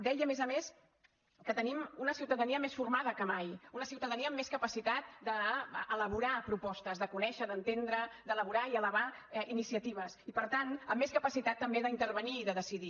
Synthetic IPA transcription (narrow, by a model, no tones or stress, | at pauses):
d̪ɛjəmezəmes | kət̪ənimunəsiuwt̪əðəniəmesfurmað̞əkəmajunəsiuwt̪əðəniəːmːeskəpəsit̪at̪̚d̪əːləβ̞uɾapɾupɔst̪əzðəkunɛʃəðənt̪end̪ɾəd̪ələβ̞uɾaiələβ̞ainisiət̪iβ̞əsipəɾt̪anəmːeskəpəsit̪at̪ːəmbeðəint̪əɾβəniːðəðəsiði